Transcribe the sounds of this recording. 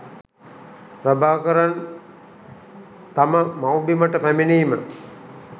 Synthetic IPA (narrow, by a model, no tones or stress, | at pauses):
rabaːkəɾan | t̪aməmawbiməʈəpæminiːmə